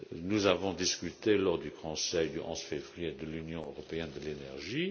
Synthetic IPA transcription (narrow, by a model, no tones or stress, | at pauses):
nuzavɔ̃d̪iskʲyt̪elɔʁd̪ykʰɔ̃sɛjd̪yʔɑ̰̃sfevʁijed̪əlynjɔ̃øʁɔpeɛnd̪əlenɛʁʒi